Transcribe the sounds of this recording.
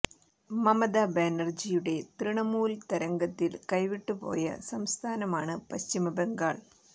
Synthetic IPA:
mɐmɐd̪abeːnɐrd͡ʑijuɽe̞t̪riɳɐmuːlt̪ɐɾɐŋɡɐt̪ːilkɐjʋiʈːupo̞̰ːjɐ̰sɐmst̪ʰaːnɐmaːɳɨpɐɕt͡ɕimɐbeŋɡaːɭ

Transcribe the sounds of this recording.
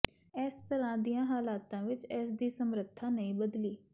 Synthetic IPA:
ɛːst̪əɾãːd̪ijãːɦaːlaːt̪ãːʋɪt͡ʃɛːsd̪iːsəmɾət̪ʰːãːnəĩːbəd̪liː

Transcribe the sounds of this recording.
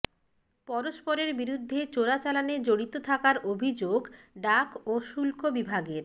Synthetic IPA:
pɔɾoʃpoɾeɾbiɾud̪ʱːet͡ɕoɾat͡ɕalaned͡ʑoɽit̪ot̪ʰakaɾobʱid͡ʑoɡ | ɖakoʃulkobibʱaɡeɾ

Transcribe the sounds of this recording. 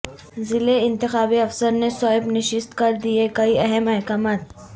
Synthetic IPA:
zɪleɪ̃nt̪ɪxaːbiɐfsəɾnesɔːɪbnɪʃɪst̪kɐɾd̪iekɐiɐɦɛmɐɦkaːmaːt̪̚

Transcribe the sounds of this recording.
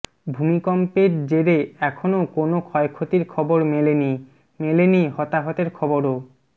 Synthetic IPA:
bʱumikɔmpeɾd͡ʑeɾeɛkʰonokonokʰɔekʰːot̪iɾkʰɔboɾmeleni | melenihɔt̪aɦɔt̪eɾkʰɔboɾo

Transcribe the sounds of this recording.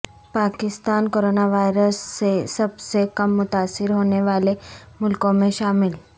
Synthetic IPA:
paːkɪst̪aːnkoːɾoːnaʋaːɪɾəsːesɐbsekɐmːʊt̪aːsːɪɾɦoːneʋaːlemʊlkõmẽʃaːmɪl

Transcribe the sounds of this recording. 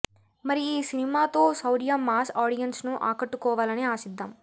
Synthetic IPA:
mɐɾiiːsinimaːt̪o̞ːsɐwɾijaːmaːsaːɽijɐnsnuʔa̰ːkɐʈːukɔːʋaːlɐneaːsid̪ʱːɐm

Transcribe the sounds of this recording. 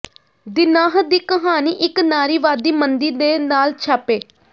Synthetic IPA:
d̪ɪnaːɦd̪iːkəɦaːniːʔɪknaːɾiːʋaːd̪iːmənd̪iːd̪eːnaːlt͡ʃʰaːpeː

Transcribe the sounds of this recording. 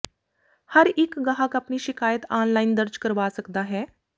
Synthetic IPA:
hɐɾɪkɡaɦəkɐpniʃɪkaːjət̪aːnlaːɪnd̪əɾd͡ʒkəɾʋaːsɐkd̪aɦɛː

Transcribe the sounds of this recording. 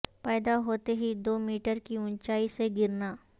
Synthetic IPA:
pɛːd̪aɦoːt̪eɦid̪oːmiːʈəɾkiʊ̃ɲt͡ʃaːiseɡɪɾna

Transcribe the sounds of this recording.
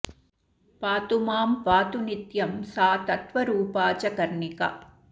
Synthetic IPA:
paːt̪umaːmpaːt̪unit̪jɐmsaːt̪ɐt̪ʋɐɾuːpaːt͡ʃɐkɐɾɳikɐ̰

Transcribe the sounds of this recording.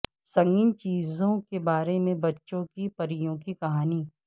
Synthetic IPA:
sɐ̃ŋɡɪnt͡ʃiːzõkebaːɾemẽbɐtːʃõkipɐɾijõkikɐɦaːniː

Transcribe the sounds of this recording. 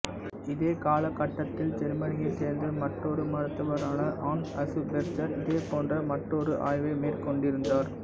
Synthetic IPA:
ɪðeːkaːlɐkːɐʈːɐt̪ːɪlt͡ʃɛɾmɐnɪjɐɪseːɾnd̪ɐmɐʈːɔɾɯmɐɾɯt̪ːɐʋɐɾaːnɐʔaːnɐsɯpɾɛɾt͡ʃːɐɾɪðeːpoːndrɐmɐʈːɔɾɯʔa̰ːjʋɐɪmeːrkɔɳɖɪɾɯnd̪aːɾ

